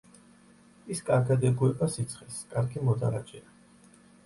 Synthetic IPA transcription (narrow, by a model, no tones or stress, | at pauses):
iskʼaɾɡad̪ɛɡuɛbasit̪sʰχɛskʼaɾɡimɔd̪a̰ɾa̰t͡ʃʼɛa